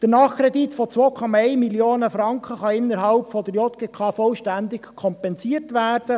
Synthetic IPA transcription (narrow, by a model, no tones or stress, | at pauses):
d̥ənɑːχkɾɛd̪it̪fɔt͡sʋoːkʰɔmɑɛɪmiljoːnəfɾɑŋkχəχɑɪnːəɾɦɑlpfɔd̪əɾjɔt̪̚ɡ̥ekʰɑːfɔlʃtænd̪ɪkkʰɔmpɛnsiːəɾtʋæːrd̥ə